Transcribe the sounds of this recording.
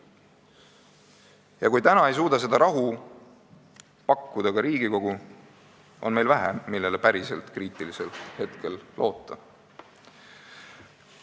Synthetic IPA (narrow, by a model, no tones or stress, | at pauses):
jɑkujt̪ænɑe̞js̬uːd̪̥ɑs̬e̞d̪̥ɑɾɑɦu | pɑkːud̪ɑkɑɾiːɡ̥iko̞ɡ̥u | ʔo̞nme̞jlvæɦæmilːelepæɾise̞lt̪kriːt̪ˑiliselt̪he̞t̪ke̞lːo̞ːt̪ːˑɑ